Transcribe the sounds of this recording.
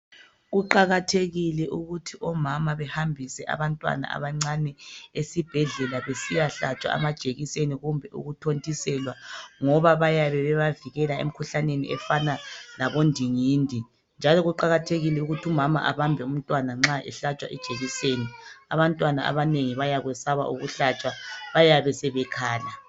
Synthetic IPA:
ɣuǃaɣatʰeɣilɛʔuɣutʰiʔɔmamaβɛhambʱisɛʔa̰βantʼwa̰na̰ʔa̰βaŋ͡ǀanɛesib̥ʱɛɮɛlaβesijaɬa̰t͡ʃʼwa̰a̰mad̥ʒ̥ʱeɣiseniɣumbʱɛṵɣutʰontʼisɛlwaŋɔβaβajaβɛβɛβaviɣɛlaḛm̩kʰuɬanenḭɛfanalaβondʱiŋindʱi | nd͡ʒʱalɔɣuǃaɣatʰeɣilɛuɣutʰumama̰ʔa̰βambʱɛum̩tʼwanaŋ͡ǁaʔɛ̰ɬat͡ʃʼwa̰ʔid̥ʒ̥ʱeɣiseniaβantʼwanaʔa̰βaneŋiβajaɣwɛsaβa̰ʔṵɣuɬat͡ʃʼaβajaβɛsɛβɛkʰaːla

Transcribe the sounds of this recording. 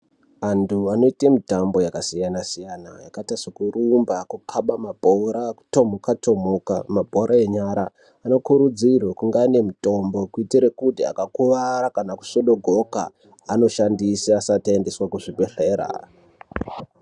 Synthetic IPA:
antuano̞itemitambo̞jakasijanasijana̰jakatasakurumbakukʰaɓamabʱoɾakutomokato̞moka̰mabʱo̞ɾʔae̞ɲaɾaː | no̞kuɾud͡zirwakuŋɡaːne̞muto̞mbo̞kuitiɾekutia̰kakuʋaɾakanaku̥soɗo̞ɡʱo̞ka̰ː | no̞ʃandisiasataendeswakuʐibeɬeːɾa̰

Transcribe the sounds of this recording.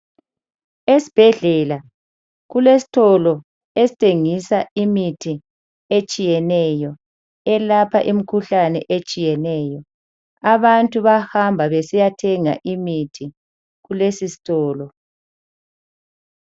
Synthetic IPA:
esi̥b̥ʱɛɮɛla | ɣulesi̥tʰʼɔlɔ | esi̥tʰʼeŋisaimitʰi | et͡ʃʼijɛnɛjɔ | ɛlapʰa̰ʔimikʰuɬanɛ̰ʔet͡ʃʼijɛnɛːjɔ | aβantʼuβahambʱaβesijatʰɛŋa̰ʔimitʰi | ɣulesisi̥tʼɔːlɔ

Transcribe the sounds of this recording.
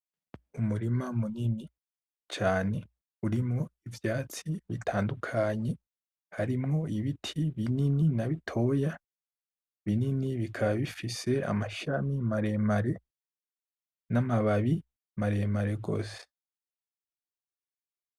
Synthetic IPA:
umuɾimamunini | t͡ʃaːne̞ | uɾimŋo̞ivjaːt͡siβitʰaːndukʰaɲe̞ | haɾimŋo̞iβitʰiβinininaβitʰo̞ja | βininiβikʰaβaβifise̞a̰maʃamimaɾemaɾe | namaβaβi | maɾe̞maɾe̞ɡo̞̰ːse̥

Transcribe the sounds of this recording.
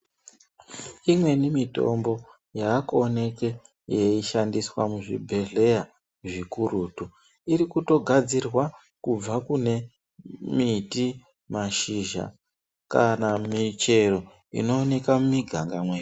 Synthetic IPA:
imwe̞nimito̞̰mbo̞ | jaːkone̞ke̞ | jeiʃandiswa̰muʐḭbʱe̞ɮe̞ja | ʐikuɾuːtu | iɾikuto̞ɡʱad͡zirwa | kub͡vakune̞ | miti | maʃiʒa̰ | kanamit͡ʃe̞ro̞ | ḭno̞ːne̞kamumiɡʱaŋɡamweːi

